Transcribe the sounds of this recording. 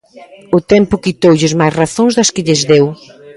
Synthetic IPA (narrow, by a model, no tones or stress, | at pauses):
ʊt̪ɛmpʊkit̪owʎɪzmajsraθõŋzðɐskɪʎɪzðew